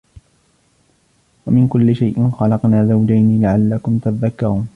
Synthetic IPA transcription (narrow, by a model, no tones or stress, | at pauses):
wamɪnkʊlːɪʃajʔɪnxɑlɑqnaːzawd͡ʒajnilaʕalːakʊmt̪at̪ðakːɑɾuːn